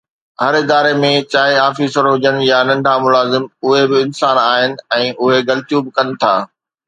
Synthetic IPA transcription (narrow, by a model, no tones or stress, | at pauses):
ɦɐɾɪd̪aːɾemẽt͡ɕaːeaːfiːsəɾɦʊd͡ʑəñjanɐ̃ɳɖʱamʊlaːzɪmʊɦebɪɪnsaːnaːɦɪnɪ̆ɛ̃ːʔʊɦeɡɐlɪt̪ijuːbɪkɐnɪ̆t̪ʰaː